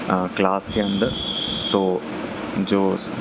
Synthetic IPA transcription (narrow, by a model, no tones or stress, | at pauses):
klaːskʰeə̃nd̪t̪oː | d͡ʑoː